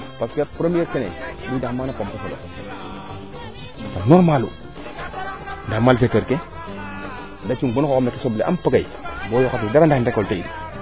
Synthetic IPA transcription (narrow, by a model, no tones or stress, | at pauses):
paskapɾemieɾkenḛdudamaːnapompeselo̰ | apomnoɾmalṵ | ndamalfeteɾke | ndat͡ʃuɡ͡bonkokomekisobleʔa̰mpaɡajbojokat̬idaɾandandakolteidi